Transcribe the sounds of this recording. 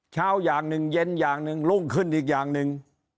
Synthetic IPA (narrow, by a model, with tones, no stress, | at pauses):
t͡ɕʰaː˦˧˥wjaː˨˩ŋnɯ˨˩ŋje˧njaː˨˩ŋnɯ˨˧ŋlo˧˥˩ŋkʰɯ˧˩nʔiː˨˩k̬̚jaː˨˩ŋnɯ˨˧ŋ